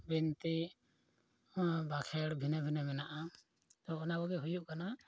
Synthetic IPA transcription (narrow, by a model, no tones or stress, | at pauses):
bint̪i | bakʰɛɽbʱinabʱinamɛnaʔa | t̪ɔɔnabɔɡɛɦujuʔkana